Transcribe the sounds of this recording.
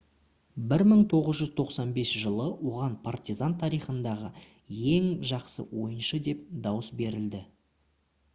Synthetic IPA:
bɪɾməɴt̪ʰo̞ʁəzʒʏzt̪ʰo̞qsɑnbe̞sʒəlˠəwo̞ʁɑnpʰart̪ʲizant̪ʰɑɾijχənd̪ɑʁə | je̞ŋʒɑqsə̰wo̞̰jənʃəd̪e̞p̚d̪ɑwəsbe̞ɾɪld̪ɪ

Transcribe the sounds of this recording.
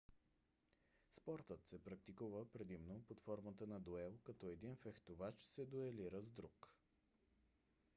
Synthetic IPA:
spɔɾt̪ət̪sɛpɾɐk̚t̪ikuvəpɾɛd̪imnopot̪fɔɾmət̪ənɐd̪oɛlˠkɐt̪ɔɛd̪infɛxt̪ovat͡ʃsɛd̪oɛliɾəzd̪ɾuk

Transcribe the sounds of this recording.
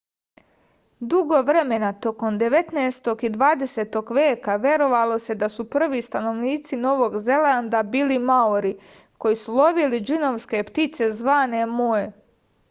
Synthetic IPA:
d̪uɡo̞ʋɾe̞me̞nat̪o̞ko̞md̪e̞ʋe̞t̪neːst̪o̞ɡid̪ʋaːd̪e̞se̞ːt̪o̞ɡʋjeːkaʋje̞ɾo̞ʋalo̞se̞d̪asupr̩ʋist̪ano̞ʋniːt̪sino̞ʋo̞ɡze̞land̪abiːlimaoɾi | ko̞jisulo̞ʋilid͡ʒinoʋske̞pt̪it̪se̞zʋaːne̞moe

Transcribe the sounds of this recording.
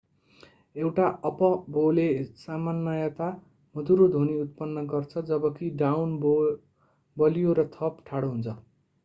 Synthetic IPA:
ewʈaʌpʌbolesamanːʌjʌt̪a | mʌd̪uɾod̪ʱoniut̪̚pʌnːʌɡʌrt͡sʰʌd͡zʌbʌkiɖawnb | bʌlijoɾʌt̪ʰʌpʈʰaɽoɦunt͡sʰʌ

